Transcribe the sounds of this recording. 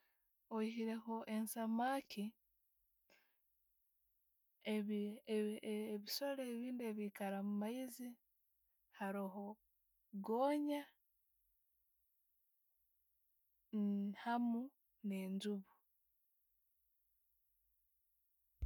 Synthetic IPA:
oihiɾe̞hoʔe̞nsamaːkʰi | e | βisaleβiːnde̞ːβiːkaɾamumaizi | haɾiɦo | ɡoːɲa | nhamu | ne̞ːɲzuβu

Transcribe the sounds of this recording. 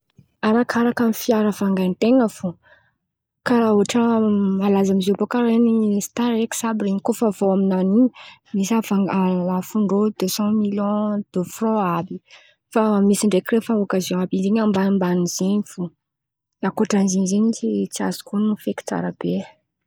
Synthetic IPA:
aɾakaɾakamifiaɾəfaŋɡant̪eŋəfu | kauaʈ͡ʂəmalazamizopokaɾenist̪aɾeki̥sabiɾeɲikofavoaminaniɲimisafaŋaafuɳɖ͡ʐod̪øsɑ̃miljɔ̃d̪̥øfrɔ̃abi | famisiɳɖ͡ʐekirefaokazjɔ̃abizeɲambambaniz̥eɲifu | akoʈ͡ʂanziɲzeɲit͡ʃit͡sia̰zi̥konufeki̥t͡sa̰ɾəb̥e

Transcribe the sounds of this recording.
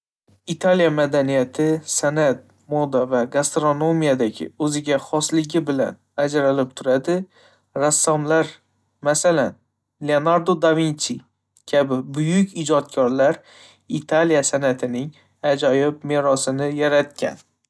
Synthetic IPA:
it̪ʰalijamad̪anijat̪ʰɪsanat̪̚ | mod̪avaɡast̪ɾono̞mijad̪aɡʲɪ̰ɵzɪɡʲaχɒslɪɡʲɪbɪla̰n | ad͡ʒɾalɪp̚t̪ʰʊɾad̪ɪː | asːamlaɾ | masalan | leonaɾd̪od̪avint͡ʃi | kʲʰabɪbʊjʊkʲɪd͡ʒɒt̪̚kʲʰɒɾlaɾ | it̪ʰalijasanat̪ʰɪnɪŋ | ad͡ʒɒjɪpmeɾɒsɪnɪjaɾat̪̚kʲʰa̰n

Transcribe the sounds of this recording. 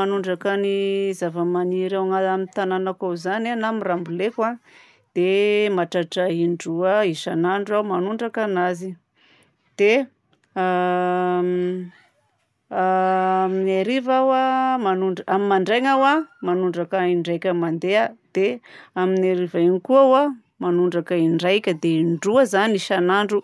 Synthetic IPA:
anuɳɖ͡ʐakanizavəmaniɾawŋaamint̪ananakawzananamirambulekwa | d̪̥emaʈ͡ʂaʈ͡ʂaiɳɖ͡ʐuaiʃanaɳɖ͡ʐuawmanuɳɖ͡ʐakanazi | d̪̥e | a | minaɾivawamanuɳɖ͡ʐʔamimaɳɖ͡ʐajŋawamanuɳɖ͡ʐakaiɳɖ͡ʐajkʲəmand̪ead̪̥eaminaɾivainikuawa | manuɳɖ͡ʐakaiɳɖ͡ʐajkʲəd̪einɖ͡ʐuəzaniiʃanaɳɖ͡ʐu

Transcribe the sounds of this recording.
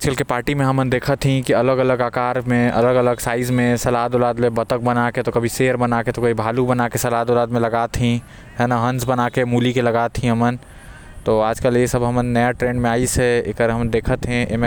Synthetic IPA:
ad͡ʒkəlkepaːɾʈimẽɦɐmənd̪eːkʰət̪ʰĩkiɐləɡɐləɡaːkaːɾmẽɐ̰ləɡələɡsaːɪzmẽsɐlaːd̪oːlaːd̪mẽbɐt̪ək̚bɐnaket̪okɐbʱiseːəɾbɐnaːket̪okɐbʱibʱaːlubɐnakesɐlaːd̪olaːd̪mẽlɐɡaːt̪ʰĩ | ɦɛːnaɦɐ̃nsbɐnaːkemuːlikelɐɡaːt̪ʰĩɦɐmən | t̪oːaːd͡ʒkəljesɐbɦɐmənːɐjaʈɾẽːɳɖmẽaːisɛḛkəɾɦɐmnd̪eːkʰət̪ɦɛ̃em

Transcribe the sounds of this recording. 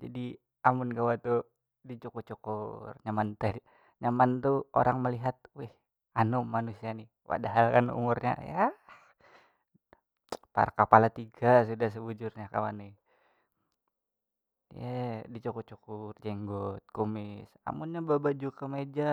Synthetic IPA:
d͡ʒadi | amʊnɡawat̪u | dit͡ʃukut͡ʃukurɲamant̪ɛ | ɲamant̪uo̰ɾaŋməliɦat̪̚wɛh | anɔmanusianɪ | wa̰daɦalkanṵmurɲa̰ja | pa̰ɾakapalat̪iɡasudahs̬əbud͡ʒurɲaka̰wa̰nɪh | jadit͡ʃukut͡ʃukurd͡ʒɛŋɡɔt̪̚komɪsa̰munɲababad͡ʒukəmed͡ʒa

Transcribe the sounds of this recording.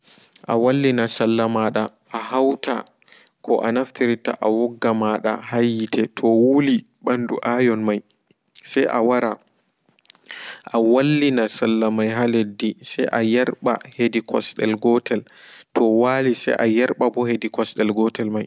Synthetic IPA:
ʔawalːinasalːamaɗa | ʔːɦawtʰa̰ | kʰɔʔanaftiɾita̰ʔawɔɡːamaɗa̰hajːitʰɛtʰɔwuli | ɓandṵʔajɔnmaj | sɛjʔa̰waɾa | ʔawalːinasalːamajɦaledːisɛjʔajɛɾɓa̰hedikʰɔ̰sɗɛlɡɔtɛltʰɔwalisɛ̰jʔajɛɾɓabɔhedikɔsɗɛlɡɔtɛlmaj

